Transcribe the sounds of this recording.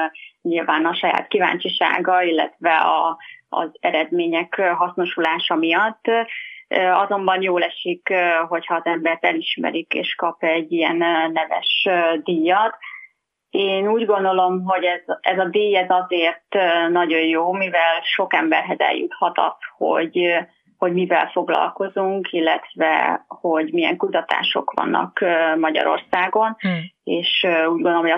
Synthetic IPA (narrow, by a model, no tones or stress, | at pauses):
ɲilvaːnɒʃɒja̰ːt̪kiva̰ːɲt͡ʃiʃa̰ːɡɒilːɛ̰t̪ʋɛɒ̰ːzɛɾɛd̪meːɲɛkɦɒsno̞ʃulaːʃɒmijɒt̪ː | ɒzo̞mbɒnjoːlɛʃikɦo̞chɒːzɛmbɛrt̪ɛliʃmɛ̰ɾikḛːʃkɒpɛɟːijɛnnɛvɛ̰ʃd̪ijɒt̪ | eːnuːɟɡo̞nd̪o̞lo̞mɦo̞ɟɛzɛzɒd̪ijɛzɒzeːrt̪ːnɒɟo̞jjoːmivɛlʃo̞kɛmbɛ̰rɦɛzɛ̰ljṵt̪hɒt̪ɒ̰sho̰ɟ | ho̞ɟmivɛ̰lfo̞ɡlɒ̰lko̞zuŋkʰilːɛ̰t̪vɛ̰ho̞ɟmijɛ̰ŋkut̪ɒt̪a̰ːʃo̞̰kʋɒ̰nːʔɒ̰kːmɒɟɒ̰ɾo̞̰rsaːɡo̞neːʃuːɟɡonomɦoj